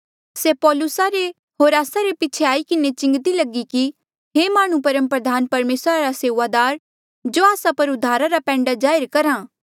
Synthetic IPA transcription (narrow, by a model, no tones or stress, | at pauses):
seːpɔːlʊsaɾe | ɦoːɾaːsaɾepɪt͡ʃʰeaːikɪnet͡ʃɪ̃ŋɡt̪ilɐɡiki | ɦeːmaːɽ̃ũpɐɾə̃mpɾəd̪ʱaːnpɐɾmeːsɾaɾaseːʋad̪aːɾ | d͡ʒoːaːsapɐɾʊd̪ʱaːɾaɾapɛ̃ːɳɖad͡ʒaːɪɾkɐɾãː